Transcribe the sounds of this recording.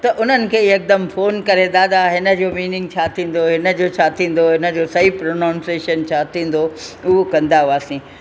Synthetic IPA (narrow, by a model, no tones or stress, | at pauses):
t̪ɐʔʊn̤ənɪ̆kʰeːek̚d̪əmfoːnkɐɾed̪aːd̪aɦɪnə̆d͡ʑoːmiːnɪ̃ŋɡ̚t͡ɕʰat̪ʰĩːn̆d̪oɦɪnə̆d͡ʑoːt͡ɕʰaːt̪ʰĩːn̆d̪oɦɪnə̆d͡ʑoːsɐɦipɾoːnãːnseːʃənt͡ɕʰaːt̪ʰĩːn̆d̪oʊɦokɐ̃nd̪aɦuaːsĩː